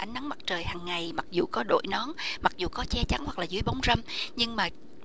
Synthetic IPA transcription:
ʔa˨˧˦jŋ̟na˨˦ŋma˨˩k̚t͡ɕəː˨˩jhaː˨˩ŋːa˨˩jma˨˩k̚zu˨˩kɔ˨˦ɗo̰˧˨jnɔ˨˦mma˨˩k̚zu˨˩kɔ˨˦t͡ɕɛ˧t͡ɕa˨˦ŋhwa˨˩k̚laː˨˩zɨ̰˨˦əjɓa˨˦wŋ͡mzə˧mɲɨ˧ŋmaː˨˩

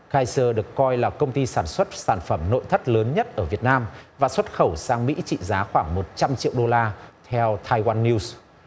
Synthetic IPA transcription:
ɣaː˧jsəː˧ɗɨ˨˩əkːɔ˧jlaː˨˩kə˧wŋ͡mt̪i˧saː˧˩nswə˦˥t̚saː˧˩nfə˧˩mno̰˧˨jt̪ʰə˦˥t̚ləː˨˦nɲə˦˥t̚ʔəː˧˩vi˨˩ət̚naː˧mvaː˨˩swə˦˥t̚xə˧˩wsaː˧ŋmḭ˧˥t͡ɕḭ˧˨zaː˨˦xwaː˧˩ŋmo˨˩t̚t͡ɕa˧mt͡ɕḭ˧˨əwɗo˧laː˧t̪ʰɛ˧wt̪ʰaː˧jwaː˧nːi˧ws

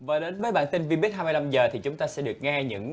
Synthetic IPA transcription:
vaː˨˩ɗe˨˦nvəː˨˦jɓa̰ː˧˥nt̪i˧nvi˧ɓi˦˥t̚ɦhaː˧m˧jla˧mzəː˨˩t̪ʰi˨˩t͡ɕʊ˨˦ŋ͡mt̪aː˧sɛ̰˧˥ɗɨ˨˩ək̚ŋɛ˧ɲɨ̰˧˥ŋ

